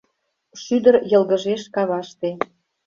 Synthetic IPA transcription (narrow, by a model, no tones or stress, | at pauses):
ʃyd̪əɾjɤ̆lˠɣə̆ʒeʃkɑβɑʃt̪e